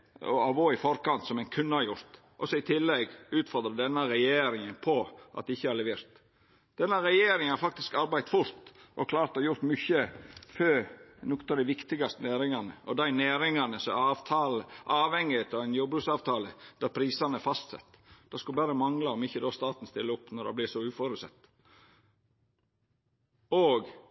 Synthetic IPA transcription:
ɔ̰ɑʋoːɪfɔɾkɑnt̪sɔmæɪnkʰʉnːəhɑɾjʊɾt̪ | ʔɔsɔɪt̪ʰɪlːɛɡʉːt̪fɔɾd̪ɾɑd̪ɛnːəɾɛjeːɾɪŋənpʰɔʔɑt̪d̪ɛɪçːəæɾlɛʋeːɾt̪ | d̪̥ɛnːəɾɛjeːɾɪŋənhɑɾfɑk̚t̪ɪskɑɾbæɪt̪fʊlt̪ʔɔkʰlɑːɾt̪hɑɾjʊɾt̪mʏçəfønɔkə̥t̪ɑʋd̪æɪʋɪkt̪ɪɡɑst̪ənæːɾɪŋɑnəɔd̪æɪnæːɾɪŋɑnəsɔɑt̪ʰɑːləʔɑːʋhɛŋːɪheːt̪ʰɑʋæɪnjubɾʉsɑːʋt̪ʰɑːləd̪̥æɾpʰɾiːsɑnəfɑst̪sɛ̰t̪ːd̥̪ɑːskʉlbæːɾəmɑŋlɑɔmɪçːəd̪ost̪ɑːt̪n̩st̪ɪlːəʊpːnɔɾd̪ɛ̰blɪsɔʉːfɔɾʉsɛ̰t̪ː | oːɡ

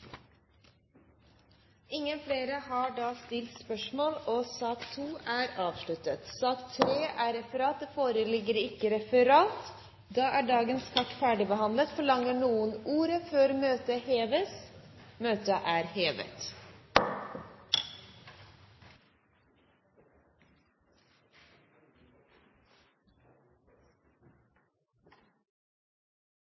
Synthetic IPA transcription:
ɪŋənfleːɾəhɑːɖɑːst̪ɪlt̪spœʃmoːlosɑːkt̪ʰuːæːɾɑːʋʃlʉt̪ət̪sɑːkt̪ʰɾeːʔæːɾɛfəɾɑːt̪̚əfoːɾəlɪɡəɾɪkəɾɛfəɾɑːt̪ | d̪ɑːʔæːɖɑːɡənskʰɑʈfæːɖɪbəhɑnlət̪fɔɭɑŋəɳuːənuːɾəføːɾmøːt̪əheːʋəsmøːt̪əʔæːɾheːʋə̰t̪

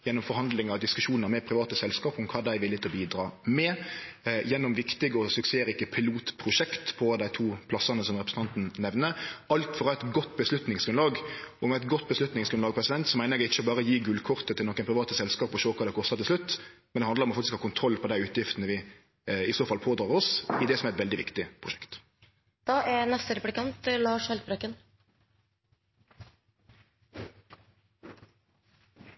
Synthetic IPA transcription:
jɛnːɔmfɔɾhɑnd̪lɪŋɑʋd̪ɪskʉʂuːnəɾmɛpʰɾɪʋɑːt̪əsɛlskɑːpʊmkʰɑːd̪æɪʋɪlɪt̪ʰɪlɔbiːd̪ɾɑːmɛ | jɛnːɔmʋɪkt̪ɪɡəɔsʉkseːɾɪkːəpʰɪluːt̪pʰɾʊʃɛkt̪pʰɔd̪æɪt̪ʰuːpʰlɑsɑnəsɔmʁɛpɾsn̩t̪ɑnt̪n̩nɛʋnəɑlt̪fɔʁɑæɪt̪ɡɔt̪ːbəslʉt̪nɪŋsɡʉnlɑːɡɔmæɪt̪ɡɔt̪ːbəslʉt̪nɪŋsɡɾʉnlɑːɡ̚pʰɾɛsɪd̪ɛnt̪sɔmæɪnəɾɛɡɪçːəɔbɑːʁəɔjiːɡʉlkʰʊʁt̪ət̪ʰɪlɔkːənpʰɾɪʋɑːt̪əsɛlskɑːpɔʃoːkʰɑːd̪ɛkʰɔst̪ɑt̪ɪlslʉt̪ːmɛnd̪ɛhɑnd̪əɾɔmɑfɑkt̪ɪskhɑːkʰʊnt̪ʰɾɔlːpʰɔd̪æɪʉːt̪ʰjɪft̪nəʋɪ | ɪsoːfɑlpʰoːd̪ɾɑːʁɔsɪd̪ɛsɔmæɾɛt̪ʋɛld̪ɪʋɪ̰kt̪ɪpʰʁʊʃɛ̥kt̪ | d̪̥ɑːʔænɛst̪əɾɛplɪkɑnt̪lɑːʂhɑlt̪̚bɾœkən

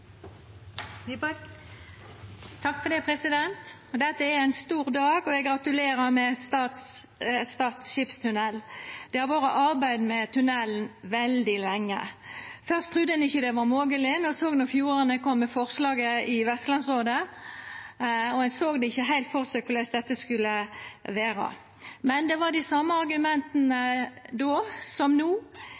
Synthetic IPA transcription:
t̪ʰɑkːfɔd̪ɛpʰɾɛsɪd̪ɛnt̪d̪ɛt̪ːəææɪnst̪uːɾd̪ɑːɡɔɛɡɾɑt̪ʉleːɾəmɛst̪ɑːt̪s | st̪ɑːt̪sʃɪpst̪ʰʉnɛlːd̪̥ɛhɑʋɑːɾəʔɑʁbæɪd̪mɛt̪ʰʉnɛln̩ʋɛld̪ɪlɛŋːə̰fœʁst̪ʰʁʉd̪ːəɛnɪçːəd̪ɛʋɑɾmoːɡəlɪnɔsoːɡnɔɾfjuːɾənəkʰɔmːɛfɔʁslɑːɡəɪʋɛst̪lɑnsʁoːd̪ə | ɔhɛnsoːɡd̪ɛɪçːəɦæɪlt̪fɔʁsækʊlæɪsd̪ɛt̪ːəskʉlːəʋeːɾə̰ | mɛnd̪ɛʋɑd̪ɪsɑmːəɑɾɡʉmɛnt̪ənəd̪oːsɔmnuː

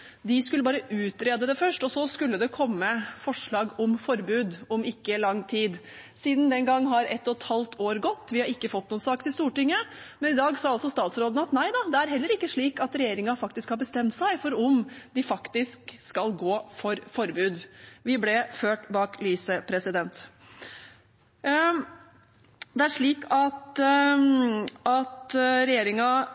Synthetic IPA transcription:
d̪ɪskʉləbɑːɾəʔʉːt̪ɾeːd̪əd̪ɛfœʂʈɔsɔskʉlːəd̪ɛkʰɔmːəfɔʂɭɑːɡɔmfɔɾbʉːd̪ɔmɪkːəlɑŋːt̪ʰiːd̪ | siːd̪n̩d̪ɛnŋɡɑŋːɦɑɾɛt̪ːɔt̪hɑlt̪ʰoːɾɡɔt̪ːʋɪhɑɾɪkːəfɔt̪ːnuːənsɑːkt̪ʰɪlst̪uːʈɪŋːə | mɛnɪd̪ɑːɡsɑːɑlsɔst̪ɑːt̪sɾoːd̪ən̩ɑt̪næɪd̪ɑd̪ɛæɾɦɛlːəɾɪkːəʂɭiːkɑt̪ɾɛjeːɾɪŋɑfɑkt̪ɪskhɑɾbəst̪ɛmt̪sæɪfɔɾɔmd̪ɪfɑkt̪ɪskskɑlɡoːfɔɾfɔɾbʉːd̪ʋɪblɛføːʈbɑːkliːsəpʰɾɛsɪd̪ɛnt̪ | d̪ɛæʂɭiːkɑt̪ | ɑt̪ɾɛjeːɾɪŋɑ

